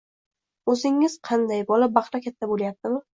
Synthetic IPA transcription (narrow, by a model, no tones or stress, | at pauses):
ɵzɪŋːɪz̥qʰɑnd̪ajbɒlabɑχɾakʲʰat̪ʰːaboljap̚t̪ɪmɪ